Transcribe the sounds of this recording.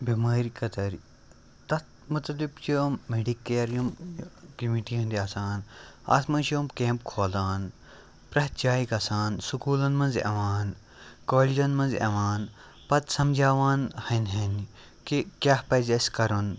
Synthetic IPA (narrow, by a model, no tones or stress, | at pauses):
bimaːɾikɐt̪ɐɾ | t̪ɐt̪ | mut̪ɐlibt͡ʃioːmːeɖikːeːɾjɐmkimiʈiɦɐ̃nd̪iɐsaːnɐ̰t̪mɐnʃijoːmkeːmpkʰoːlaːn | pɾɐt̪d͡ʒaːjikɐsaːnsukuːlɐnmɐnzɐ̰ʋaːn | koːlid͡ʒɐnmɐnzɐ̰ʋaːn | pɐt̪sɐmd͡ʒʱaːʋaːnhɐnɦɐn | kikʲaːhpɐzɐskɐɾun